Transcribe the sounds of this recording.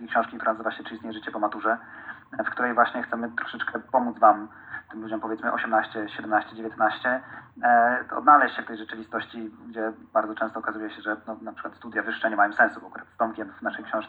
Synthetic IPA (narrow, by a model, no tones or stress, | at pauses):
kʲikɕɔ̃w̃ʂkʲikt̪uɾɛnazɨvaɕɛt͡ʂɘist̪ɲejɛʐt͡ɕɛpɔmat̪uʐɛ | fkt̪uɾɛjvwaɕɲɛxt̪sɛmɘt̪ɾɔ̥ʂɛt͡ʂkɛpɔmud̪zvam | t̪ɘmlud͡ʑɔmpɔvʲjɛt̪smɘʔɔ̰ɕɛmnaɕt͡ɕɛɕɛd̪ɛmnaɕt͡ɕɛd͡ʑevʲjɛt̪naɕt͡ɕɛ | ɔ̰d̪nalɛɕt͡ɕɕɛft̪ɛjʐɛt͡ʂɘvʲist̪ɔɕt͡ɕiɡd͡ʑɛbaɾd̪ɔt͡ʂɛ̃st̪ɔːkazujɛɕɛʐɛnɔnapʂɘ̥kwat̪st̪ud̪javɘʂʂɛɲɛmajɔmsɛ̃nsuɔkuɾat̪st̪ɔmkʲɛnvnaʂɛjkɕɔ̃w̃ʂk